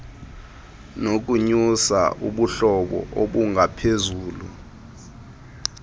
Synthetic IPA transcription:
nok̬ʼuɲusa̰ʔuɓuɬɔɓɔ̰ʔoɓuŋʱapʰezuːlṵ

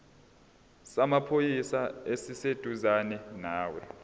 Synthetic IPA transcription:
samapʰojisaesised̥ʱuzanɛnaːwɛ

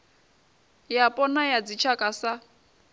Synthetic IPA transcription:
japʼɔnajad͡zit͡ʃʰakʼasa

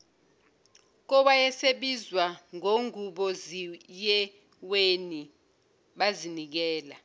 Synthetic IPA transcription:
k̬ɔwajɛseɓizwaŋoŋuɓɔzijɛ | weni | ɓazinik̬ɛːla

